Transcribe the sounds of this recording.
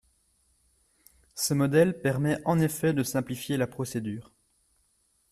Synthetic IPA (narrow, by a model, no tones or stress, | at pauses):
səmɔd̪ɛlpɛʁmɛʔɑ̃nefɛd̪əsɛ̃plifjelapχɔsed̪yːʁ